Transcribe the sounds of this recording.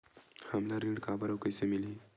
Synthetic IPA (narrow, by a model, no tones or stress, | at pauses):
hamlaɾiɽkabəɾəwkəjsemili